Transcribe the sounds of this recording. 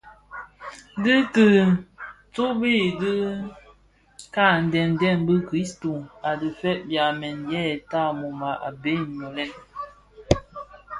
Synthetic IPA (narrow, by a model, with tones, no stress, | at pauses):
dɨ˦tɨ˨ | t͡so˦be˦˨də˦ | ka˦˨n̩˨dɛ˨n˨dɛ˦˨nbə˦kɾi˦sto˨a˨də˨fɛ˦ʔ̚bja˨mɛ˨njɛ˦˨ta˦˨mo˨ma˨ʔa˨be˦˨ɲɔ˨lɛ˦n